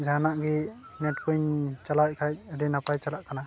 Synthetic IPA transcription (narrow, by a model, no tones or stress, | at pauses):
d͡ʒanaʔɡi | nɛt̚kʰuɲt͡ʃalac̚kʰaj̚aɾinapajt͡ʃalaʔkana